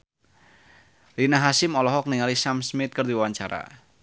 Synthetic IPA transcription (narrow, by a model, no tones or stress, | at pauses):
linaɦasɪmɔlɔɦɔk̚niŋalisamsmɪt̪̚kɨrd̪iwwaɲt͡ʃaɾa̰